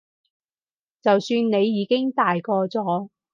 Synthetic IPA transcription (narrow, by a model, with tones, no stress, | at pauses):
t͡sɐ˨wsyː˧nne˨˧jːiː˨˧kɪ˥ŋt̪aː˨jkɔː˧t͡sɔː˨˥